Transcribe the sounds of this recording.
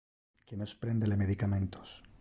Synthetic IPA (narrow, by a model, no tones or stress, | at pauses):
kenoespɾend̪elemeðikamẽ̞nt̪o̥s